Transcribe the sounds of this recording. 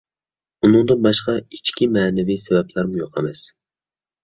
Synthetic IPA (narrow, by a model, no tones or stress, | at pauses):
unɨŋd̪ɨnbɑʃqɑit͡ʃkʲimɛːnɛvisɛvɛplæɾmujoqʰɛmɛs